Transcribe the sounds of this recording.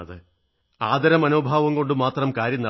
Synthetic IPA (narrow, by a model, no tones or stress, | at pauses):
ɐðɨ | aːd̪ɐɾɐmɐnuːbʱaːʋɐmko̞ɳɖɨmaːt̪rɐmkaːɾjɐnːɐ